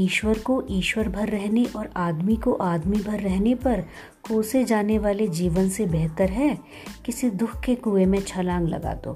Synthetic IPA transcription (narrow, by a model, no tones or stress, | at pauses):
iːʃʋəɾkoʔiːʃwəɾbʱɐɾːɛɦneʔɔːɾaːd̪mikoʔaːd̪mibʱɐɾːɛɦnepɐɾ | koːsed͡ʒaːneʋaːled͡ʒiːʋənsebɛɦt̪əɾɦɛː | kɪsid̪ʊkʰkekuːemẽt͡ʃʰɐlãːŋɡlɐ̰ɡa̰ːt̪o̰ː